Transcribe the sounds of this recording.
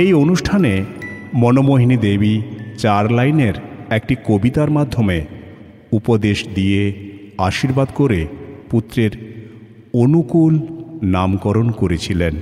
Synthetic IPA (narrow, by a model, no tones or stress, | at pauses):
ejonuʃʈʰanemɔnomoɦinid̪ebit͡ɕaɾlajneɾek̚ʈikobit̪aɾmad̪ʱːome | upod̪eʃd̪ie | aʃiɾbad̪koɾeput̪ːɾeɾ | onukulnamkɔɾonkoɾet͡ɕʰilen